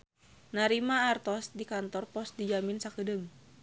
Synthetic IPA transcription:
naɾimaːrt̪ɔsdikant̪ɔrpɔs̚did͡ʒaminsakədɨŋ

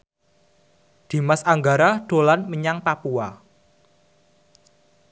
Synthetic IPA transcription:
d̪̥i̤masaŋɡaɾaɖ̥o̤lanməɲaŋpapua

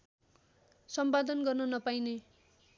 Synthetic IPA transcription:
sʌmpad̪ʌnɡʌrnʌnʌpajne

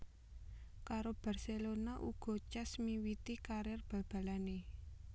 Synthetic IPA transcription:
kaɾob̥a̤rselonaʔuɡ̥ɔ̤t͡ʃɛsmiwit̪ikaɾɛrb̥ä̤b̥a̤lane

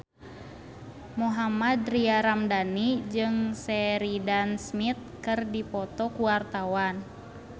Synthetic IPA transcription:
muɦamad̪riaɾamdanid͡ʒɨŋsɛɾidansmit̪̚kɨrdipɔt̪ɔkuwart̪awan

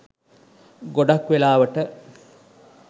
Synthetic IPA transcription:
ɡoɖakʋelaːʋəʈə

